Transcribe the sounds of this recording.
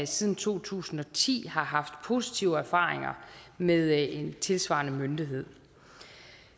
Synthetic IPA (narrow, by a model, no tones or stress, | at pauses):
siːð̞ˠn̩t͡sʰo̝̰ːt͡sʰṵːsn̩ɒ̽t͡sʰḭːhɑ̈ɦɑ̈fd̥pʰo̝ːsit͡sʰiʊəæɐfɑ̰̈ːʁeŋɐmeðˠe̝nt͡sʰe̝lsʋɑ̰̈nəmønd̥iɦe̝ð̞̰ˠ